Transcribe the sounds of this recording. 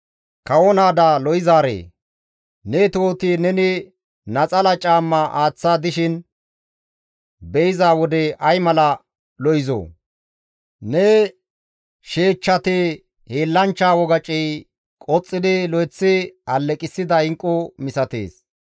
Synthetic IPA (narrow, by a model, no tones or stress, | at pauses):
kɐwɔnaːd̪alɔjɪzaːɾḛː | nɛt̪oːt̪ɪnɛnɪ | nɐt͡sʼɐlɐt͡ʃʼaːmːɐʔaːt͡sːaːd̪ɪʃɪn | bɛɪzaːwɔd̪ɛɐjmɐlɐ | lɔjɪzo̰ː | nɛ | ʃeːt͡ʃːɐt̪e | heːlːɐnt͡ʃːaːwɔɡɐt͡ʃʼɛj | kʼɔt͡sʼːɪd̪ɪlɔjɛt͡sːɪɐlːɛkʼɪsːɪd̪ɐɪŋkʼːɔmɪsɐt̪ḛːs